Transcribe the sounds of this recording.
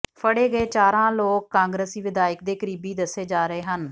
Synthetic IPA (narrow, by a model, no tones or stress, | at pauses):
pʰəɽeːɡəeːt͡ʃaːɾãːloːkːãːŋɡɾəsiːʋɪd̪aːɪək̚d̪eːkəɾiːbiːd̪əsːeːd͡ʒaːɾəeːɦən